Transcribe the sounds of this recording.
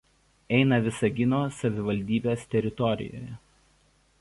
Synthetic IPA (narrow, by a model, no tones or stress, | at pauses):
ɛɪnɐʋʲɪsɐɡʲɪnoːsɐʋʲɪʋɐlʲd̪ʲiːbʲeːst̪ʲɛɾʲɪt̪ɔɾʲɪ̰jo̰ːjɛ